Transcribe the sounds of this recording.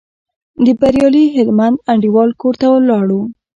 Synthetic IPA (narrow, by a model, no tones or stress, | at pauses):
d̪əbaɾjɑliɦɪlmand̪̚aɳɖiwɑlkoɾt̪awlːɑɽu